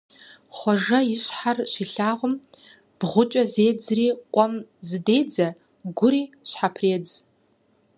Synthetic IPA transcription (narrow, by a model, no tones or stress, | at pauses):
χʷɔʐɐiɕħarʃiɬaːʁʷʊm | b̥ʁʷʊt͡ʃʼɐzeːd͡zriːqʷʼɔmzɨdeːd͡zɐ | ɡʷʊɾiːɕħapʰreːd͡z